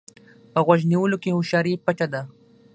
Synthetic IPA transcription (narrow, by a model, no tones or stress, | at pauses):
pəɣwaʒniwəlokehʊʃɑɾipat͡ʃad̪a